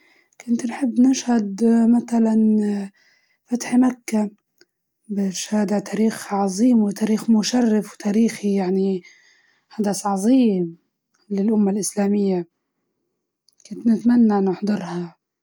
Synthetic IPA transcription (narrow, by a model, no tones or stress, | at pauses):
kʊnt̪nħɪbːnɪʃhad̪maθalan | fat̪ħmakːa | bɪʃhaːd̪aʕt̪aːɾiːxʕɑzˤiːmwɪt̪aːɾiːxmʊʃarːɪfwt̪ʰaːɾiːxijaʕni | ħad̪asʕɑzˤiːm | lɪlʔʊmːalʔɪslaːmɪjːa | kʊnt̪nɪt̪manːaʔnːaħd̪ˤɨɾˤha